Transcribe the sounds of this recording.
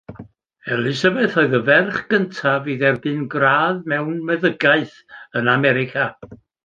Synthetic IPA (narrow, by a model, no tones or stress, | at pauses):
ɛlˠɪsəvɛθoɨðəvɛrχɡ̥əntʰaviːðɛrbɨnɡraːðmɛwnmɛðəɡaɨθ | ənamɛɾɪkʰa